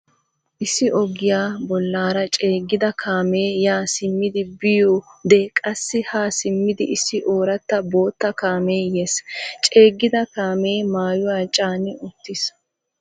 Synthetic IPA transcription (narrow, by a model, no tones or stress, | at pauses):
ʔɪsːɪʔɔɡɪjaːbɔlːaːɾɐt͡ʃʼeːɡːɪd̪ɐkʰaːmeːjaːsɪmːɪd̪ɪbɪjoːd̪ɛkʼɐsːɪhaːsɪmːɪd̪ɪʔɪsːɪʔoːɾɐt̪ːɐbo̞ːt̪ːɐkaːmeːjeːst͡ʃʼe̞ːɡːɪd̪ɐkaːme̞ːmaːjʊwaːt͡ʃʼaːnɪʔʊt̪ːɪs